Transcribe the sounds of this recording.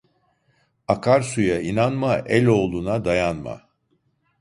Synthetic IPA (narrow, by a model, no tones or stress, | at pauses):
akʰaɾsujainanmaʔɛlʲo̞ːlˠuːnad̪ajanma̰